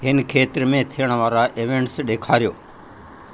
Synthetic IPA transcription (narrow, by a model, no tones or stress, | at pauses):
ɦɪnkʰeːt̪ɾmẽːt̪ʰijəɽ̃ʋaːɾaʔeʋẽːɳʈsɗeːkʰaːɾjoː